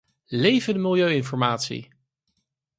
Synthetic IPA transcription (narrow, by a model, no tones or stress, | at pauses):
lejvəndəmɪlˠjøɥɪnfɔɹmaːtsḭ